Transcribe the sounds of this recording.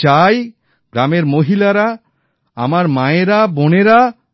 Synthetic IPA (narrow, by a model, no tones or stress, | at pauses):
aj | ɡɾameɾmoɦilaɾa | a̰maɾmaeɾaboneɾa